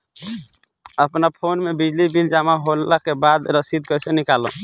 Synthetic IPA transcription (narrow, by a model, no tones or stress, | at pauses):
əpnapʰonmebid͡ʒlibild͡ʒamaɦolakebad̪ɾəsid̪̚kəjsẽnikalɔ̰̃